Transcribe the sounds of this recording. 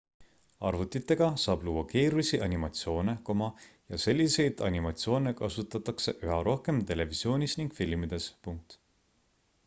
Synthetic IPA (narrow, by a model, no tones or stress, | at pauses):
ɑ̰rvut̪ːˑit̪ːˑe̞ɡ̥ɑsɑːb̥luːɑke̞ːɾusʲiʔɑnʲimɑt̪sio̞ːne̞ko̞mɑjɑse̞lʲːise̞jd̪ɑ̰nʲimɑt̪sio̞ːnekɑsut̪ːˑɑt̪ːˑɑkse̞ʔyɦɑɾo̞hke̞mt̪e̞levisio̞ːnʲisniŋɡ̥filmid̪̥e̞spuŋk̚t̪